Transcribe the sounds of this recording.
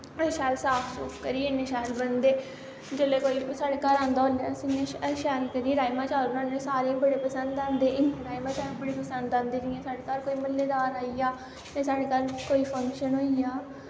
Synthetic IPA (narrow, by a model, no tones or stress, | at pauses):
əʃɛːlsaːpʰsʊ̰ːkʰkəɾiːɪnẽːʃaːlbənd̪eː | d͡ʒəleːkoːiːsaːɽeːkaːɾãːnd̪aːɦoːlãːsineːəʃɛːlkəɾieɾaːimaːt͡ʃaːlonãːnẽːsaːɾeːbəɽeːpəsənd̪ãːnd̪eːʔɪneːɾaːimãːt͡ʃaːɾebəɽeːpəsənd̪ãːnd̪eːnɪːɛ̃ːsaːɖeːkaːɾkoːiːməlːeːd̪aːɾaːiaː | j̪ẽːsaːɽeːkaːlkoːiːpʰə̃ŋkʃənɦoːijaː